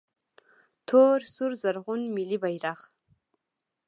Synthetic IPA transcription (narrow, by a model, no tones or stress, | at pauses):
tʰoːrsurzarʁʷʊnmilibajraʁ